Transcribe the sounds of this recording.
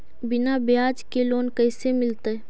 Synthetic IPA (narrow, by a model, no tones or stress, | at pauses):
bɪnabjaːd͡ʒkeloːnkəɪsemɪlt̪e